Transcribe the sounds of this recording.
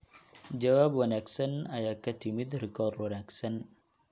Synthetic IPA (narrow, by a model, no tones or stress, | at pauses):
d͡ʒɐwaːbwɐnaːɡsɐnɐjaːkʰɐt̪ʰɪmɪd̪rɪkʰɔːrd̪wɐnaːɡsɐn